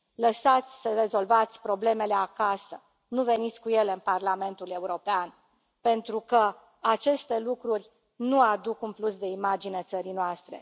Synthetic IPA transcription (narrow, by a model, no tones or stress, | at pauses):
ləsat̪sʲsəre̞zo̞lvat̪sʲpɾo̞ble̞me̞le̞akasə | nuve̞nit̪sʲkuje̞leɨnparlame̞nt̪ule̞uɾo̞pean | pe̞nt̪ɾukə | at͡ʃe̞st̪e̞lukɾurʲ | nuad̪ukunplusd̪eimad͡ʒinet̪səɾinoast̪ɾe̞̰